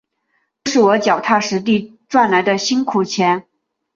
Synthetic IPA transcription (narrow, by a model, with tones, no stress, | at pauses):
ʈ͡ʂɤ˥˧ʂɻ̩˥˩wɔ˧˥t͡ɕjɑ˨˩ʊt̪ʰa˥˩ʂɻ̩˧˥t̪̬i˥˧ʈ͡ʂwa˥˩nla˧˥ɪd̪ə˧ɕi˥nkʰu˨˩t͡ɕʰjɛ˧˥n